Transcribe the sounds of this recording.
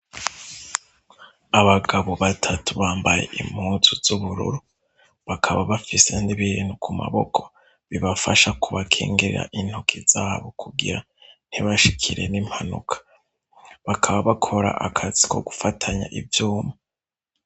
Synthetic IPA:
aβaɡaβoβatʰatuβaːmbaje̞̰ʔim̥huːnzuzuβuɾṵɾu | βakʰaβaβafise̞ndiβiɾinukʰuma̰βo̞kʰo̞̥ | βiβafaʃakuβakʰeːŋɡeɾḛɾa̰ʔin̥hokʰizaːβokʰuɡiɾa | n̥iβaʃikʰiɾenim̥hanṵkʰḁ | βakʰaβaβakʰo̞ɾa̰ʔakʰazikʰo̞̰ɡufatʰaɲa̰ʔivjuːma

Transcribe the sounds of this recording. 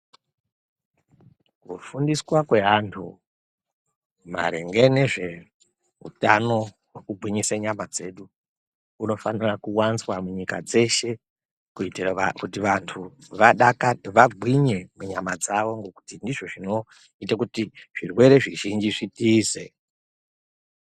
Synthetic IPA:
kufundiswakwe̞ɦantʰṵ | ma̰ɾḛŋɡe̞ne̞ʐe̞ | ɦṵtano̞ | wekuɡʱwiɲiseɲamad͡ze̞ːɗu | uno̞fanirakuwanzwamuɲika̰d͡ze̞ʃe̞ | kuitirakutiʋantʰuʋaɗakaʋaɡʱwiɲemuɲamad͡zaʋo̞ŋɡo̞ku̥tindiʐo̞ʐino̞ | itakutiʐ̥irwe̞ɾe̞ʐiʒind͡ʒiʐitiːze̞

